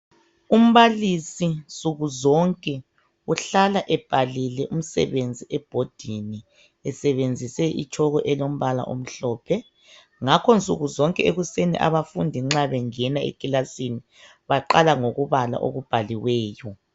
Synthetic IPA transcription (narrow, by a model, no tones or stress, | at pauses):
um̩βalisint͡sʼuɣuzɔŋkʼɛ | uɬalaʔɛb̥ʱalilɛʔum̩sɛ̰βend͡zʱiʔɛb̥ʱod̥ʱini | ɛsɛβend͡zʱisɛʔḭt͡ʃʰʼɔɣɔʔɛlom̩βala̰ʔo̰m̩ɬɔːpʰɛ | ŋakʰɔnt͡sʼuɣuzɔŋkʼɛeɣusenḭʔa̰βafundʱiŋ͡ǁaβɛŋɛnaḛkʼilasini | βaǃalaŋoɣuβala̰ʔo̰ɣub̥ʱaliwɛːjɔ